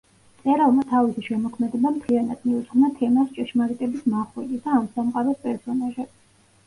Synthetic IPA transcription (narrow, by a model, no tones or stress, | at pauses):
t̪sʼɛɾalˠmat̪ʰavisiʃɛmɔkʰmɛd̪ɛbamt̪ʰlianad̪miud̪z̥ʁmnat̪ʰɛmast͡ʃʼɛʃmaɾit̪ʼɛbismaχwɛɡisd̪aːmsamqʼaɾɛspʼɛɾsɔnaʒɛ